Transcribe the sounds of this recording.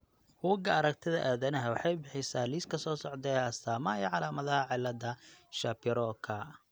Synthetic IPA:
huːɡɐɐɾɐk̚t̪ʰɪðɐʔaːðɐnɐɦɐwɑħɑjbɪħɪsaːliːskʰɐsɔːsɔʕd̪ɛɐst̪ʰaːmɐiːʕɑlaːmɐðɐhɐʕɪlːɐd̪ɐʃapʰɪɾɔːkʰɐ

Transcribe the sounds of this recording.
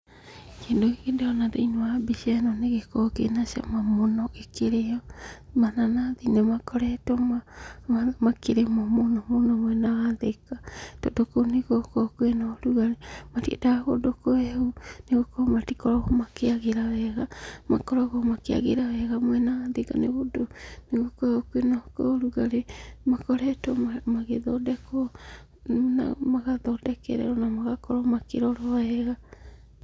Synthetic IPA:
kedoiɡedeonadoinoabisianoneɡekokḛnasia̰mamonoekeɾeomananad̪inemakoɾetomamamakeɾemamonomonomoenaɡadekatodokoneɡokokuenoɾuɡaɾimatiḛdakodokoehuneɡokohmatikoɾohumakiaɡiɾaweɡamakoɾoɡomakia̰ɡiɾaβeɡamoenad̪eka̰neɡudoniɡokookuenoko̰ɾuɡaɾemakoɾetoamaɡedodeko | nna̰maɡadodekḛɾḛonamaɡakoɾomakiɾoɾoaeɡa

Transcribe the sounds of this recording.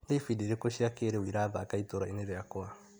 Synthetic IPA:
lejfidiɾekosiakeːɾeuiɾaːða̰kajtoɾaineɾeakoa

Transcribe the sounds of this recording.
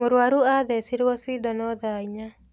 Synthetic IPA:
oɾwaɾuaðɛsiɾwɔsidɔnɔðaiɲa

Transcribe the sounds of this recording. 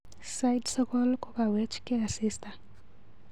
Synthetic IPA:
sajdsɔkɔlkɔkawɛt͡ʃkeasista

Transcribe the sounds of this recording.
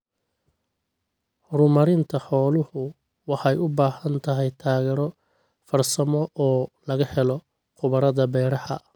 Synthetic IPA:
hʊɾʊmɐɾɪnt̪ʰɐħɔːlʊhʊ | wɑħɑjʊbaːhɐnt̪ʰɐɦɛjt̪ʰaːɣɛːɾɔ | fɐrsɐmɔʔɔːlɐɣɐhɛlɔ | qʊβɐɾɐðɐbɛjɾɑħɐ̰

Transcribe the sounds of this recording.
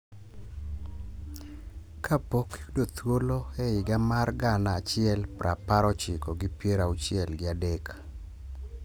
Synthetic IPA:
kʰapokdot̪woloɛɪɡamarɡanaːt͡ʃɪɛlpɾʔa̰paɾɔt͡ʃɪkoɡɪpjeɾaʊt͡ʃɪɛlɡɪadek

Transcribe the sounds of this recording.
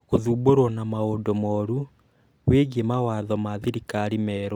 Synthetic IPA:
ɣoðuːboɾwɔnamaondɔmɔɾu | weɣiemawaðɔmaðiɾikaɾimɛːɾɔ

